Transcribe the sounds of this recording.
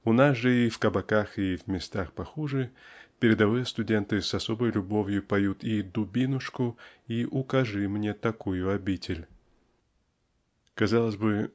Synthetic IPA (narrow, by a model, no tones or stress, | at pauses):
ʊnasʐɨifkɐbɐkaxivʲmʲɪst̪axpɐxuʐɨpʲɪɾʲɪd̪ɐvɨjəst̪ʊdʲe̞nt̪ɨsɐsobəjlʲʊbovʲjʊpɐjut̪id̪ʊbʲinʊʂkʊiʔʊkɐʐɨmnʲe̞t̪ɐkujʊɐbʲitʲɪlʲ | kɐzalˠəzʲbɨ